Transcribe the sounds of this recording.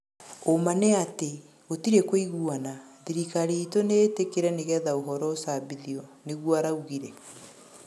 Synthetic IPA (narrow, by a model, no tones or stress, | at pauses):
omaneate | otiɾekoiɣuanaðiɾikaɾeitonetekeɾɛneɣɛðaoɦɔɾɔosabiðiɔneɣwaɾauɣiɾɛ